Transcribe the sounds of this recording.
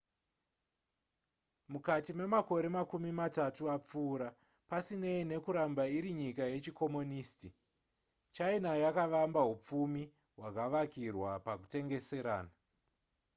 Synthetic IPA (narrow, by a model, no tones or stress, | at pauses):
mukatime̞mako̞ɾe̞makumimatatuap͡fuːɾa | pasine̞ine̞kuɾambaiɾiɲikaje̞t͡ʃiko̞moniːsti | t͡ʃainajakaʋambaɦup͡fumi | ɦwakaʋakirwapakute̞ŋɡe̞se̞ɾaːna